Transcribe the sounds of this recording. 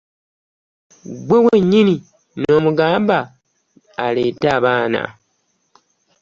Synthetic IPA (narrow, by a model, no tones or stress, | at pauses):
ɡwewe̞ɲːini | no̞ːmuɡaːmbaː | leːtaːβaːna̰